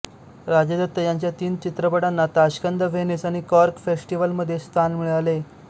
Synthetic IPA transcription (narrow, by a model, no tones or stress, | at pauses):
ɾad͡ʑəd̪ət̪ːəjaɲt͡ɕjat̪iːnt͡ɕit̪ɾəpəɽanːat̪aɕkənd̪ʱəʋenesaɽ̃ikɔɾkfesʈiʋəlməd̪ʱːjest̪ʰanmiɭeale